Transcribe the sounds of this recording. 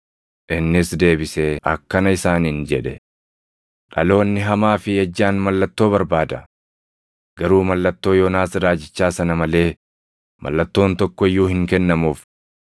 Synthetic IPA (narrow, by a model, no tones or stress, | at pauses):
ʔɪnːɪsd̪e̞ːbɪseʔɐ̰kːɐnɐɪsaːnɪnd͡ʒɛᶑɛ | ᶑɐ̰lo̞ːnːɪɦɐmaːfɪjɐd͡ʒːaːnmɐlːɐt̪ːo̞ːβɐɾbaːd̪ɐ̰ | ɡ̥ɐɾuːmɐlːɐt̪ːo̞ːjɔːnaːsɾaːd͡ʒɪt͡ʃːaːsɐnɐmɐle̞ː | mɐ̰lːɐt̪ːo̞ːnt̪ɔkːɔɪjːuːhɪŋkɛnːɐmuːf